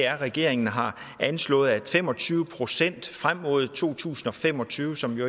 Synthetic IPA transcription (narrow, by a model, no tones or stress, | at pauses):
æɐʁɛɡ̥e̝ɐe̝ŋnəɦɑ̈ | ænslɔ̰̽ːð̩ˠæ̥fem̰ɒ̽t͡sʰyːʊəpʰʁo̝sen̰d̥fʁam̰ːo̝ð̞̰ˠt͡sʰo̝̰ːt͡sʰṵːsn̩ɒ̽fem̰ɒ̽t͡sʰyːʊəsɒ̽mjo